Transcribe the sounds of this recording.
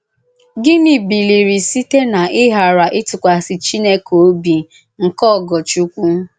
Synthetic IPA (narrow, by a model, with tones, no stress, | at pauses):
ɡɪ˦ni˨bi˨li˨ɾi˨si˦te˦na˨ʔɪ˦ɦa˨ɾa˨ʔɪ˦tʊ˨kʷa˨sɪ˨t͡ʃi˦ne˦ko˨˦bi˨ | ŋ̩˨kɔ˦˨ɡɔ˨t͡ʃu˦kʷu˦